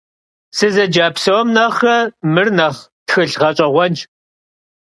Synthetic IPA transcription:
sɨzɐd͡ʒaːpsɐwɔmnɐχɐmɨrnɐχtxɨɬʁɐt͡ʃʼɐʁʷɔnt͡ʃʼ

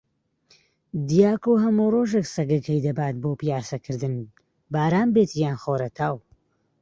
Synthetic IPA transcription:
d̪ijaːkoɦɐmuroːʒeksɐɡɐkʰɐjd̪ɐbaːt̪̚boːpijaːsɐkʰɨɾd̪ɨn | baːɾaːmbeːt̪ijaːnxoːɾɐt̪ʰaːw

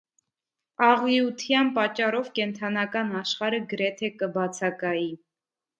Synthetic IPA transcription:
ɑʁiut̪ʰjɑnpɑt͡ʃːɑrɔvkɛnt̪ʰɑnɑkɑnɑʃχɑɾəɡəɾɛt̪ʰɛkəbɑt͡sʰɑkɑji

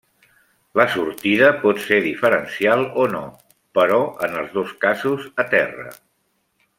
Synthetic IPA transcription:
ləsuɾt̪iðəpɔt̪seðifəɾənsialˠono̰ | pəɾɔənəlˠzðoskazuzət̪ɛrə̰

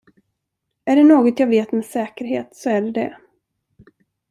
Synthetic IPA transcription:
æɖɛnoːɡɔt̪jɑːveːt̪meːsɛːkəɾɦḛːt̪sɔæɖɛd̪ɛ̰

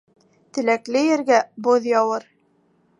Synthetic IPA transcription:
t̪ɘ̆læklɘjɘ̆ɾɡæboðjɑwɤɾ

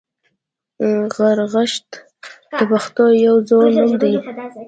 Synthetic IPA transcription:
ɣaɾɣaʃt̪ | d̪̥əbaxt̪ojawd͡zonumd̪aj

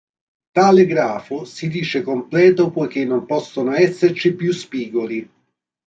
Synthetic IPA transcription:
t̪aːlɪɡɾaːfʊsid̪iːt͡ʃekomplɛːt̪ʊpɔjk̟enːompɔsːonoɛsːert͡ʃipjuspiːɡoli

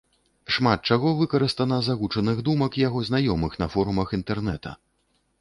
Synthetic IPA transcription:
ʂmat̪̚t͡ʂaɣɔvɨkɐɾɨst̪ɐnɐzaɣut͡ʂɐnɨɣd̪umɐkjaɣɔznajɔmɨxn̪ɐfɔɾumɐxint̪ɛrn̪ɛt̪ɐ̰

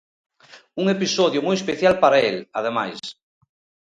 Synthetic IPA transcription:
uŋepisoðjomojespeθjalpaɾaelaðema̰js

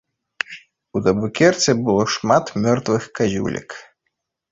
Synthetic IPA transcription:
ud̪ɐbukʲɛrt̪sʲɛbɨlˠɔʂmat̪mʲɔrt̪vɨxkazʲṵlʲʔḭk

